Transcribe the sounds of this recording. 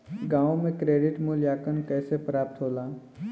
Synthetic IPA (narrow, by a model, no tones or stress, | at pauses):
ɡãːõmẽkɾeːɖɪʈmuljaːkənkɛːsepɾaːp̚t̪ɦoːlaː